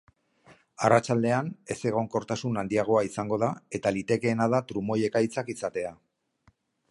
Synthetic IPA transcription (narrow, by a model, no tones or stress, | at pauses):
arat͡ʃald̪e̞ane̞se̞ɣ̞o̞ŋko̞ɾt̪asunand̪iaɣ̞o̞aisaŋɡo̞ð̞ae̞t̪alit̪e̞ke̞ːnað̞at̪ɾumo̞je̞kajt͡sakisat̪e̞a